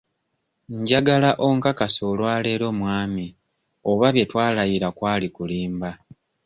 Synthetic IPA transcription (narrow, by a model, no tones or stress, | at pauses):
ɲɟaɡalaʔo̞ŋkakaso̞lwaːle̞ːɾo̞ːmwaːmi | oβaβje̞twaːlajiɾakwaːlikuliːmba